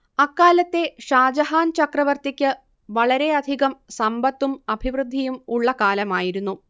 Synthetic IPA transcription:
ɐkːaːlɐt̪ːe̞ʂaːd͡ʑɐɦaːnt͡ɕɐkrɐʋɐrt̪ikʲːɨ | ʋɐɭɐɾe̞ɐd̪ʱiɣɐmsɐmbɐt̪ːumɐbʱiʋrɨd̪ʱːijumuɭːɐkaːlɐmaːjiɾunːu

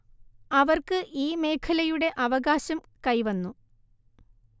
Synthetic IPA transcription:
ɐʋɐrkɨʔiːme̞ːkʰɐlɐjuɽe̞ʔɐʋɐɣaːɕɐm | kɐjʋɐnːu

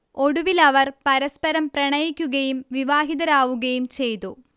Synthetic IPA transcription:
o̞ɽuʋilɐʋɐrpɐɾɐspɐɾɐmprɐɳɐjikʲːuɣɐjumʋiʋaːɦid̪ɐɾaːʋuɣɐjumt͡ɕe̞jt̪ṵ

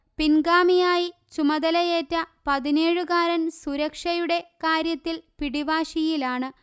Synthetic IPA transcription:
pinɡaːmijaːjit͡ɕumɐðɐlɐjeːtːɐpɐðine̞ːɻɨkaːɾɐnsuɾɐkʂɐjuɽe̞kaːɾjɐt̪ːilpiɽiʋaːʂijilaːɳɨ

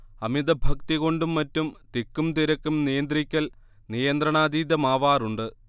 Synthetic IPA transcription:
ɐmid̪ɐbʱɐkt̪iɣo̞ɳɖumːɐtːumt̪ikːumt̪iɾɐkːumnijɐnd̪rikʲːɐl | nijɐnd̪rɐɳaːd̪iːd̪ɐmaːʋaːruɳɖɨ

